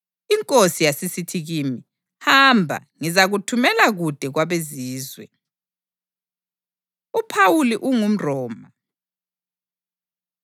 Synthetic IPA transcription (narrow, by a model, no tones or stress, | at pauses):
iŋkʼosijasisitʰiɣiːmi | hambʱa̰ | ŋizaɣutʰumɛlaɣud̥ʱɛɣwaβeziːzwɛ | upʰawuliʔuŋum̩rɔːma